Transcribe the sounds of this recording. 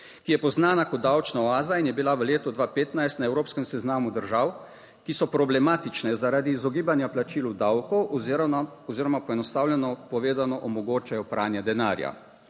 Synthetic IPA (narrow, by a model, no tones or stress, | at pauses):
kijɛpɔznaːnakɔt̪̚d̪awt͡ʃnaɔaːzainjɛbilaʋəleːt̪ɔd̪ʋaːpeːt̪najst̪naɛwɾoːpskɛmsɛznaːmud̪əɾʒaw | kisɔpɾɔblɛmaːt̪it͡ʃnɛzaɾaːd̪iːzɔɡiːbanjaplat͡ʃiːld̪awkɔw | ɔziːɾɔmapɔɛnɔst̪awlʲjɛnɔpɔʋeːd̪anɔʔɔmɔɡoːt͡ʃajɔpɾʔaːnjɛd̪ɛnaːɾja̰